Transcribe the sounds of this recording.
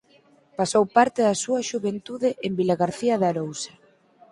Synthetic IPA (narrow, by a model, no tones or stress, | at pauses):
pasowpaɾt̪ɪðɐsuɐʃuβent̪uðɪʔembilaɣaɾθiaðaɾowsḁ